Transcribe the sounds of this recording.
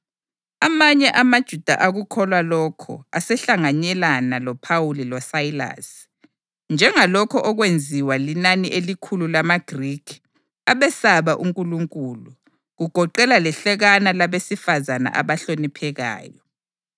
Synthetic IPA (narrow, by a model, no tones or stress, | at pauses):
amaɲɛʔamad̥ʒ̥ʱud̥ʱa̰ʔaɣukʰɔlwalɔkʰɔ̰a̰sɛɬaŋaɲɛlanalɔpʰawulilɔsaila̰s | nd͡ʒʱɛŋalɔkʰɔʔɔɣwend͡zʱiwalinaniʔelikʰululamaɡ̥rikʰ | aβɛsaβaʔuŋkʼuluŋkʼulu | ɣuɡ̥ʱɔǃɛlalɛɬɛɣanalaβesifazana̰ʔa̰βaɬonipʰɛɣa̰ːjɔ